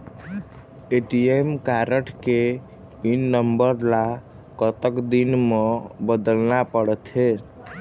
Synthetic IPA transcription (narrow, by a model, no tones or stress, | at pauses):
eʈiemkaɾəʈke | inːəmbəɾla | kət̪əkd̪inmebəd̪əlnapəɽət̪ʰe